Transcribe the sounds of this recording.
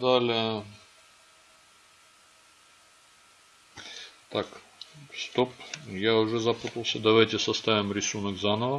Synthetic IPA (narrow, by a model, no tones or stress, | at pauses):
d̪alʲɪə | t̪ak | st̪opjaʊʐɛzɐput̪əlˠsʲəd̪ɐvajtʲɪsɐst̪avʲɪmɾʲɪsunəkzanəvə